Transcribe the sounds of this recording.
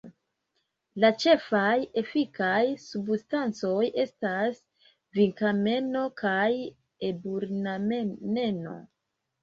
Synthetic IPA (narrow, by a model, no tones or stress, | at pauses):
lat͡ʃe̞faje̞fikajsubstant͡so̞je̞stas | viŋkame̞no̞kʰaj | ebuɾnamene̞no̞̰